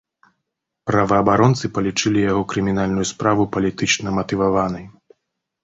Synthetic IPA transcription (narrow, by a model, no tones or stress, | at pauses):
pɾɐvɐːbaɾɔnt̪sɨpɐlʲit͡ʂɨlʲijaɣɔkɾɨmʲinalʲnujuspɾavupɐlʲit̪ɨt͡ʂnɐmɐt̪ɨvavanɐj